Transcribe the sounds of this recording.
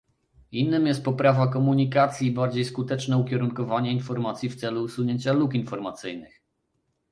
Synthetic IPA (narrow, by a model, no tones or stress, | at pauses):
inːɘmjɛst̪̚pɔpɾavakɔmuɲikat̪sʲjiːbaɾd͡ʑejskut̪ɛt͡ʂnɛukʲɛɾuŋkɔvaɲɛinfɔɾmat̪sʲjift̪sɛluːsuɲeɲt͡ɕalukinfɔɾmat̪sɘjnɘx